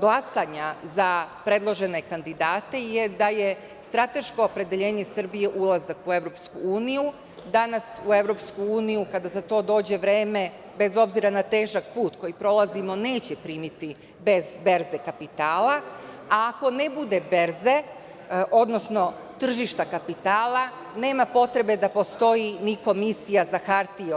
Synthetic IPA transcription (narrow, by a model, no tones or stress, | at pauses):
ɡlasaɲazapɾe̞d̪lˠo̞ʒe̞ne̞kand̪id̪aːt̪e̞jed̪aje̞ | st̪ɾat̪e̞ʃko̞ːpɾe̞d̪eʎe̞ːɲe̞sr̩bije̞ʔulˠazakue̞ʋɾo̞pskuuːniju | d̪anasue̞ʋɾo̞pskuuːnijukad̪azat̪o̞ːd̪o̞ːd͡ʑe̞ʋɾeːme̞ | be̞zo̞bziɾanat̪e̞ːʒakpuːt̪ko̞jipɾo̞lˠazimo̞ne̞ːt͡ɕepɾiːmit̪i | be̞zbe̞ɾze̞kapit̪aːlaaːko̞ne̞bud̪ebe̞ɾze̞ | ʔo̞d̪no̞sno̞ | t̪r̩ʒiʃt̪akapit̪aːlˠa | ne̞ːmapo̞t̪ɾe̞be̞d̪apost̪o̞jiniko̞misijazaxaɾt̪i